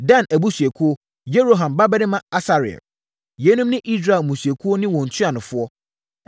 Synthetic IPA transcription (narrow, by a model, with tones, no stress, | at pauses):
dã˦næ˨bu˦sɥɛ˨kʰu˦o˦ | je˦ɾo˨ɦã˨mba˦bɛ˦ɾɪ̃˦mã˦˨a˦sa˨ɾɪ˨ɛ̰˨ | jɛ˨˦nũ˦mnɪ̃˦ʔi˦s̬ɾa˨mũ˨sɥe˨kʰu˦o˦nɪ̃˦wɔ̃˨n̩˨tʰʊ˦a˨nʊ̃˨fʊ˦ɔ˦